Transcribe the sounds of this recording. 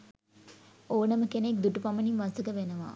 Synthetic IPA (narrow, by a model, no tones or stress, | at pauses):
oːnəməkenek̚d̪uʈupaməninʋasəɡəʋenəʋa̰